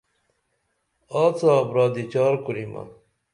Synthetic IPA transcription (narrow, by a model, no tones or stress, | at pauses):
aːt͡saːbɾaːd̪it͡ɕaːɾkuɾima̰